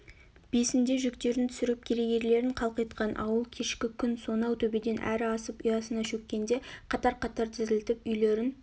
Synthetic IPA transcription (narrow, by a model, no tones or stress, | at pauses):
b̥e̞sɪnd̪e̞ʒʏkt̪e̞ɾɪnt̪ʰʏ̥sɪɾɪp̚kʲʰeɾe̞ɡʲe̞ɾle̞ɾɪɴqʰɑlˠqɑjt̪qɑnʔɑ̰wəlˠkʲʰe̞ʃkʲɪkʲʰʏnso̞nɑwt̪ʰɵbed̪e̞nʔæ̰ɾɪɑsəpʏjɑsənɑʃɵkʲːe̞nd̪e̞qʰɑt̪ɑɾqʰɑt̪ɑɾt̪ʰɪzɪlt̪ɪp̚ʏjle̞ɾɪn